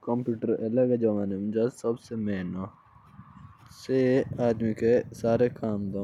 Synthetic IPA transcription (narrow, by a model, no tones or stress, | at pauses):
kɐ̃mpjuːʈəɾɐlɐɡad͡ʒɐʋaːnemd͡ʒasɐbsemɛɦno | seaːd̪mikesaːɾekaːmd̪õː